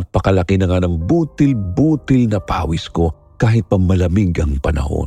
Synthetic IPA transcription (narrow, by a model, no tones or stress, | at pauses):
ɐpɐkɐlɐkɪnɐŋanɐŋbuːt̪ɪlbuːt̪ɪlnɐpa̰ːwisko̞ | kaːɦɪt̪̚pɐmɐlɐmiɡɐŋpɐnɐ̰ho̞̰n